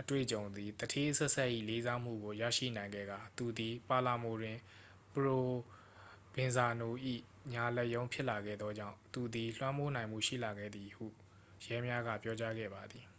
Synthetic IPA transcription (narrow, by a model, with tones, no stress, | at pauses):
ʔətwḛ˦˨ət͡ɕõ˨ʊ̃nd̪i˨t̪ətʰe˦sɛ˦ʔsɛ˦ʔḭ˦˨le˦za˦m̥ṵ˦˨ɡo˨jä̰˦˨ʃḭ˦˨nã˨ɪ̃ŋɡɛ̰˦˨ɡa˨t̪u˨d̪i˨pa˨la˨mo˨ɾwɪ̃˨ | pəɹo˨ | bɪ̃˨nza˨no˨ʔḭ˦˨ | ɲa˨lɛ˦ʔjõ˦ʊ̃pʰjɪ˦ʔla˨ɡɛ̰˦˨d̪ðɔ˦d͡ʑã̰˦˨t̪u˨d̪i˨l̥wã˦mo˦nã˨ɪ̃m̥ṵ˦˨ʃḭ˦˨la˨ɡɛ̰˦˨d̪i˨hṵ˦˨ | jɛ˦mja˦ɡä̰˦˨pjɔ˦t͡ɕa˦ɡɛ̰˦˨ba˨d̪i˨